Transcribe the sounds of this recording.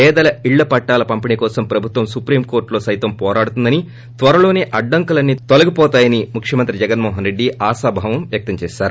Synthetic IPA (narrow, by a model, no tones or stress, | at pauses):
ɛːd̪ɐlɐiɭːɐpɐʈːaːlɐpɐmpinikɔːsɐmpɾɐbʱut̪ʋɐmsupɾiːmkoːɾʈlo̞ːsɐjt̪ɐmpɔːɾaːɽut̪und̪ɐni | t̪ʋɐɾɐlo̞ːneːʔɐɖːɐŋkulɐnːit̪olɐɡipɔːt̪aːjɐnimukʰʂjɐmɐnt̪ɾid͡ʒɛɡɐnmɔːɦɐnɾe̞ɖːiaːsaːbʱaːʋɐmʋjɐk̚t̪ɐmt͡ʃɛːʃaːɾu